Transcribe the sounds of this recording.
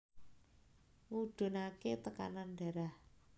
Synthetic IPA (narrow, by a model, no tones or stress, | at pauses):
ŋuɖ̥o̤naket̪əka̰nanɖa̤ɾah